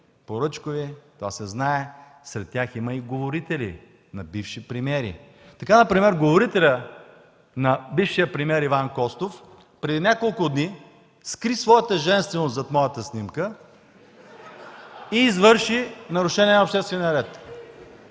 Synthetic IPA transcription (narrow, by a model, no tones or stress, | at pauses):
poɾɤt͡ʃkovit̪ovasɛznaɛ | sɾɛt̪̚ːʲaximəiɡovoɾit̪ɛlʲḭ | nɐbifʃipɾimʲiɛɾḭ | t̪ɐkanɐpɾimɛɾɡovoɾit̪ɛlʲə | nɐbifʃijəpɾimʲiɛɾivankɔst̪of | pɾɛd̪inʲakolˠkʊd̪ni | skɾisvɔjət̪əʒɛnst̪vɛnost̪zɐt̪mɔjət̪əsnimkə | iːzvɤɾʃinɐɾʊʃɛnʲiɛnɐopʃt̪ɛst̪vɛnʲiəɾɛt̪